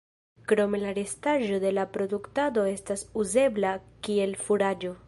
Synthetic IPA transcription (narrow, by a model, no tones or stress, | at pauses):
kɾo̞me̞laɾe̞staʒo̞de̞lapɾo̞duktado̞e̞stasuze̞blakie̞lfuɾad͡ʒo̞